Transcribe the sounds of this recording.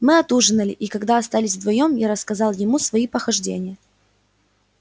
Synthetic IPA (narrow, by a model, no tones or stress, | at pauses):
mɨɐt̪uʐɨnəlʲɪ̰ʔikɐɡd̪aɐst̪alʲɪsʲvd̪vɐjo̞mjaɾəskɐzɑlˠjɪmusvɐipəxɐʐdʲḛnʲɪjə